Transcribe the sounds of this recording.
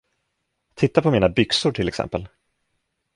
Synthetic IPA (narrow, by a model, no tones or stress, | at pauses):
t̪ʰɪt̪ːapʰɔmiːnabʏksʊʈʰɪlːɛksɛ̰mpəl